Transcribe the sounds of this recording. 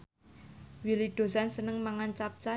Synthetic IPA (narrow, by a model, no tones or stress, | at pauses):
wilid̪̥o̤sansənəŋmaŋant͡ʃap̚t͡ʃa